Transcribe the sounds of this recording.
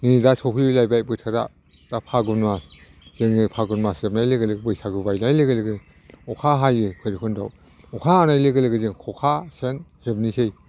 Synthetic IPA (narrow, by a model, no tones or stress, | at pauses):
nidasɔpʰilajbajbɯtʰaɾa̰ | d̥apʰaɡunmas | z̥eŋɯpʰaɡunmaseb̚najleɡeleɡbɯjsʰaɡɯbajnajleɡɯleɡɯ | ɔkʰaɦajɯkʰɯjɾikʰɯndaw | ɔkʰaːnajleɡɯleɡɯzeŋkʰɔkʰasenhebnisej